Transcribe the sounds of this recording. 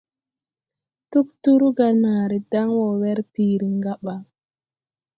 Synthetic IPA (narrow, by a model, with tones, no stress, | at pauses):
tu˦ktu˦ɾu˦ɡa˨naː˨ɾi˨da˦ŋwɔ˨wɛ˦ɾpiː˨ɾi˨ŋɡa˦ɓa˨